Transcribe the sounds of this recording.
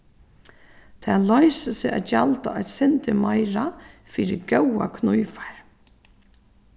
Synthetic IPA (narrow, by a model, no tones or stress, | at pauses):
t̪ʰɛːlɔjsɪsɪʔa̰t̪jalt̪aʔat̪sɪnt̪ɪmajɾafiːɾɪɡœwa̰kʰnujfḁɹ